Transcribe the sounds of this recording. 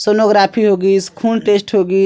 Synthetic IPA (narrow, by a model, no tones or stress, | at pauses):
sonoɡɾaːpʰiɦoɡiskʰuːlʈeːsʈɦoɡi